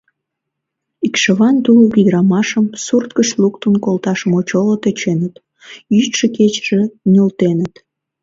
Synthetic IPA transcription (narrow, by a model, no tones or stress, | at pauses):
ikʃə̆βɑnt̪uluβid̪əɾɑmɑʃəmsurt̪kəʃlukt̪unkolt̪ɑʃəmot͡ɕolot̪et͡ɕenət̪ | jyt̪ʃeket͡ɕʒ̥ĕnʲolt̪enət̪